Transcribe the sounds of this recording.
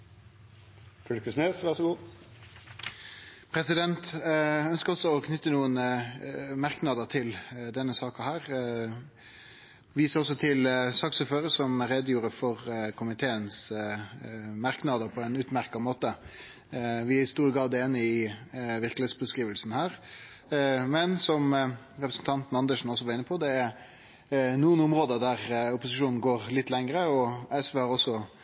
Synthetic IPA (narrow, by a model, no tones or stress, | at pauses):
fœlkəsneːsʋæʁʂɔɡuː | pʰɾɛsɪd̪ɛnt̪œnskəɾɔsːɔɔkʰnʏt̪ːənuːən | mɑʁknɑd̪ət̪ʰɪld̪ɛnːəsɑːkɑhæːʁ | ʋiːsʁɔsːɔt̪ʰɪlsɑːksʉːføːɾəsɔmɾɛd̪juːɾəfɔʁkʰʊmɪt̪ʰeːəns | mɑɾknɑd̪əpʰɔɛnʉːt̪mæɾkɑmoːt̪ə | ʋɪæɪst̪uːɾəɡɾɑd̪eːnːəɪʋɪɾkleːt̪sbəskʁiːʋəlsn̩hæːɾ | mɛnsɔm | ɾɛpɾəsn̩t̪ʰɑnt̪n̩ɑnd̪əʂn̩ɔsːɔʋɑʁɪnːəpʰɔd̪ɛæɾ | nuːənʊmɾoːd̪əd̪æɾʊpʊsɪʂuːnn̩ɡoːɾlɪt̪ːlɛŋɾəɔɛsʋeːhɑɾɔsːɔ